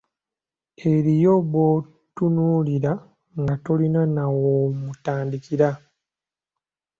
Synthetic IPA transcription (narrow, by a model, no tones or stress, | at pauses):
e̞ɾijoβo | tunuːliɾa | ŋɡatolinanawomutaːndikiɾa